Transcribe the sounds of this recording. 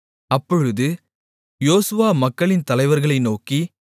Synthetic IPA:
ɐpːɔɻɯðɯ | joːsɯʋaːmɐkːɐɭɪnt̪ɐlɐɪʋɐɾɣɐɭɐɪnoːki

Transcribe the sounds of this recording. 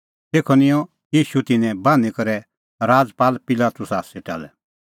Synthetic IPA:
t̪eːkʰɔnɪ̃jɔ̃ | jiːʃut̪ɪnɛ̃baːnikɐɾɛ | ɾaːd͡zpaːlpɪlaːt̪ʊsaːsɛʈɐ̰lɛ̰

